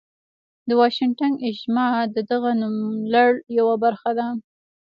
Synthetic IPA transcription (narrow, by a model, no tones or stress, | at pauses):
d̪əwɑʃɪŋʈanɪʒmɑd̪əd̪aɣanumlaɽjawabaɾxad̪a